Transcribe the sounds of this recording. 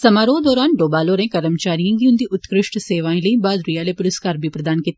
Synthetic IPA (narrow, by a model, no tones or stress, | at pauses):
səmaːɾoːd̪ɔːɾaːnɖoːbaːloːɾẽːkəɾəmt͡ʃaːɾijãːɡiʊnd̪iːʔʊt̪kɾɪʃʈseːʋaːĩːləĩbaːd̪ɾijaːleːpʊɾɪskaːɾbiːpɾəd̪aːnkit̪ː